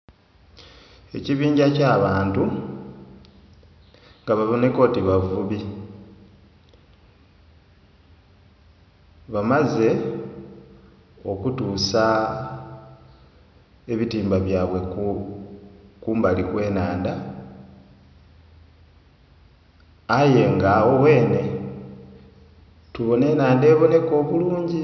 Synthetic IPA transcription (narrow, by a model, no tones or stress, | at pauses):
e̞ciβiːɲɟacaːβaːntu | ŋɡaβavoneko̞ːtiβavuβi | βamaze̞ | o̞kutuːsa | e̞βitiːmbaβjaːβwe̞ | kumbalikwe̞ːnaːnda | aje̞ŋɡawo̞we̞ːne̞ | tuβo̞ne̞ːnaːnde̞ːβo̞ne̞ko̞ːβuluːɲɟi